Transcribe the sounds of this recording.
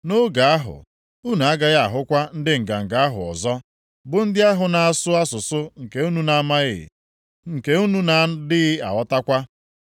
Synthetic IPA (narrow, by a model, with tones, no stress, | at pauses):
nʊ˦ɡa˨a˦ɦʊ̰˨ | u˦nu˨a˦ɡa˦ɣa˨ɦʊ˦kʷa˦n̩˦dɪ˦ŋ̩˨ɡa˨ŋ̩˨ɡa˨˦a˦ɦʊ̰˨ɔ̰˨zɔ˦ | bʊ˨n̩˦dɪ˦a˦ɦʊ˨na˨a˨sʊ˦a˦sʊ˨sʊ˦ŋ̩˨ke˨˦u˦nu˦na˨˦ma˦ɣɪ̰˨ | ŋ̩˨ke˨u˦nu˦na˨dɪ˦ɣɪ˦a̰˨wɔ˦ta˦kʷa˦